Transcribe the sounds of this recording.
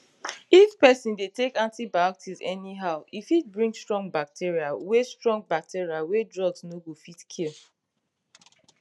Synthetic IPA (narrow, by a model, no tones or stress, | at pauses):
it͡ʃpɛsĩndetekãntibaktʰizɛniɦaʊifit̚bɹĩŋstɹɔ̃ŋɡ̚bak̚tʰiɹiawestɹɔ̃ŋɡ̚bak̚tʰiɹiawedɹɔɡznoɡofitkʰil